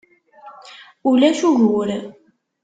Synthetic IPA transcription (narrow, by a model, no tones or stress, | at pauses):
ulæʃuʝuɾ